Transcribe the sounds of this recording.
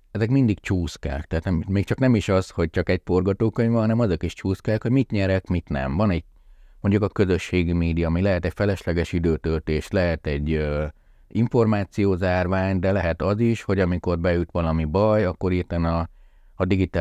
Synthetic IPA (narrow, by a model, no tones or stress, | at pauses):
ɛzɛkmind̪ikt͡ʃuːska̰ːkt̪ɛɦːt̪nɛmmeːkt͡ʃɒknɛmiʃɒzho̞ɟ̚t͡ʃɒkɛɟ̚fo̞rɡɒt̪oːkøɲvɛɦɒnɛmɒzokiʃt͡ʃuːskaːkho̞ɟmit̪ɲɛɾɛkmit̪nɛ̰mvɒnɛɟ̚ | mo̞ɲɟukɒkø̞zø̞ʃːeːɡimeːd̪ijɒmilɛɦɛt̪ɛcfɛlɛʃlɛɡɛʃid̪øːt̪ølt̪eːʃlɛɦɛt̪ɛɟːø | iɱfo̞rmaːt̪sijoːzaːrʋaːɲd̪ɛlɛɦɛt̪ɒziʃho̞ɟɒmiko̞rbɛjut̪ʋɒlɒmibɒjɒkːo̞ɾit̪ɛnɒː | d̪iɡit̪aː